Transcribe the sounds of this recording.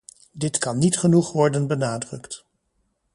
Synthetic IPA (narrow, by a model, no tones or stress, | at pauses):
dɪtkɑnːitχənuχʋɔɹdənbənaːdrɵkt